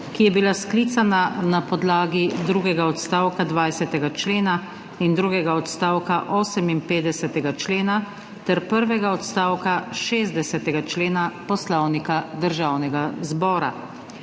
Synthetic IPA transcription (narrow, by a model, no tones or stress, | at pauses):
kijɛbilasklit̪sananapɔd̪laːɡid̪ɾuːɡɛɡaɔt̪st̪aːwkad̪ʋajsɛt̪ɛɡat͡ʃleːna | ind̪ɾuːɡɛɡaɔt̪st̪aːwkaʔɔːsɛminpeːd̪ɛsɛt̪ɛɡat͡ʃleːna | t̪ɛɾpəɾʋɛɡaɔt̪st̪aːwkaʃeːzd̪ɛsɛt̪ɛɡat͡ʃleːnapɔslɔwnikad̪əɾʒaːwnɛɡazbɔːɾa̰